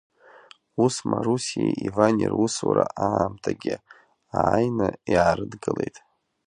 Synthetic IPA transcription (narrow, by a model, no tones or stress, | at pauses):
usmaɾusieivanʲiruswaɾaʔaamtʰaɡʲɪ | aajnaiʕaɾɨdɡɨlejtʼ